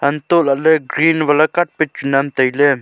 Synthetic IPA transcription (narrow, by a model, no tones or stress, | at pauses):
ɐnt̪oːlɐleɡɾiːnʋɐlɐkɐʈ̚pɪt͡ʃunɐmt̪ɐile